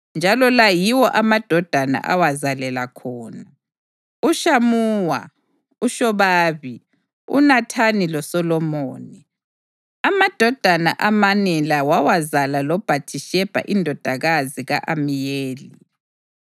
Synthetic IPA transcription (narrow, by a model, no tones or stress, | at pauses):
nd͡ʒʱalɔlajiwɔʔamad̥ʱɔd̥ʱana̰ʔa̰wazalɛlakʰɔːna | uʃamuːwa̰ | uʃɔβaːβi | ṵnatʰanilɔsɔlɔmoːni | amad̥ʱɔd̥ʱana̰ʔamanɛlawawazalalɔb̥ʱat͡ʃʰʼiʃɛb̥ʱa̰ʔindʱɔd̥ʱaɣaziɣaʔamijeːli